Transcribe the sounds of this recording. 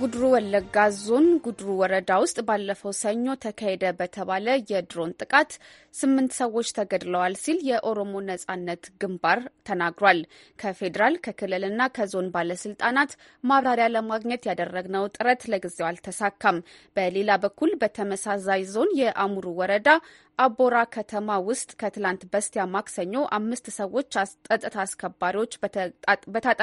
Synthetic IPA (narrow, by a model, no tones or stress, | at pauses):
ɡud̪ɾuwɔlːəɡazo̞nɡud̪ɾuwɔɾəd̪awʊst̪ʼbalːəfəwsəɲːo̞t̪ʰəkʰahe̞d̪əbət̪ʰəβaləjɛd̪ɾo̞nt̪ʼɨkʼat̪ | sɨmːɨnt̪səwːo̞t͡ʃːt̪ʰəɡəd̪ləwalsiljɛʔo̞ɾomo̞nəsʼanːət̪ɡɨmbaɾt̪ʰənaɡɾowal | kʰəfe̞d̪əɾalkʰəkʰɨlːɨlɨnːakʰəzo̞nbaləsɨlt̪ʼanat̪ | maβɾaɾjaləmaɡɲət̪jad̪ərːəɡnəwt̪ʼɨɾət̪ləɡɨzewalt̪ʰəsakʰːam | b̥əle̞labəkːulbət̪ʰəməsazajzo̞njɛʔamuɾuwɔɾəd̪a | ʔabo̞ɾakʰət̪ʰəmawʊst̪ʼkʰət̪ɨlant̪bəst̪ʰejamaksəɲːo̞ʔamːɨst̪səwo̞t͡ʃːʼət̪ʼət̪ʰaːskʰəbːaɾiwo̞t͡ʃː | bət̪ʰat̪ʼ